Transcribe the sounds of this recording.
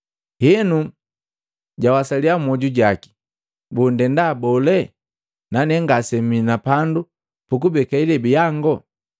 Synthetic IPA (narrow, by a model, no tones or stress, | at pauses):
hɛnu | ɟawasaliamɔɟuɟaki̥ | bundɛndaːbɔlɛ | nanɛŋɡasɛminapandu | puk̬ubɛkailɛbijaŋɡɔ